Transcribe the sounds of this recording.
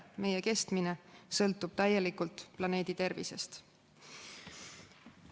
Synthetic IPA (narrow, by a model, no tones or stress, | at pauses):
me̞jeke̞st̪minesɤ̞lt̪ːˑub̥̚t̪æje̞likult̪ːˑplɑne̞ːd̪̥it̪e̞rvḭse̞̰st̪